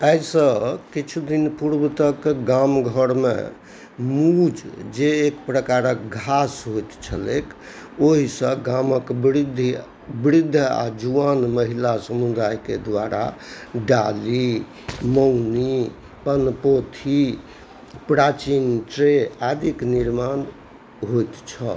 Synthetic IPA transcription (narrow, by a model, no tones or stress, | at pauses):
əsə̃kit͡ʃʰud̪inpuɾbt̪əkɡamɡʱəɾmḛ | mud͡ʒd͡ʒeːkpɾəkaɾək̚ɡʱasɦojt̪t͡ʃʰə̰lḛkʰ | oɦisə̃ɡaməkbɾid̪ʱ | bɾid̪ʱːa̰d͡ʒuʋanməɦilasəmud̪ajkḛd̪ʋaɾʔa̰ɖali | məwni | pənpot̪ʰi | pɾat͡ʃinʈɾead̪ʱikniɾman | ɦojt̪t͡ʃʰə̰